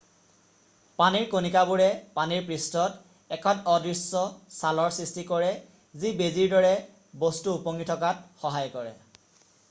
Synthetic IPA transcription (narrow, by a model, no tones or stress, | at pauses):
paniɹkonikabuɹɛpaniɹpɹistɔt | ɛkʰɔnɔdɹisːɔsalɔɹsɹistikɔɹɛ | zibeziɹdɔɹɛ | bostuupoŋːitʰɔkatxɔɦajkɔɹɛ̰